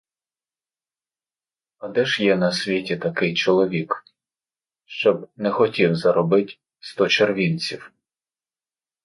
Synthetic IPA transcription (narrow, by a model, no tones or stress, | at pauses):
ɐd̪ɛʒjɛnɐsʲʋʲitʲit̪ɐkɪjt͡ʃɔlˠɔʋʲik | ʃt͡ʃɔbnɛxɔtʲiwzɐɾɔbɪtʲ | st̪ɔt͡ʃerʋʲint͡sʲiw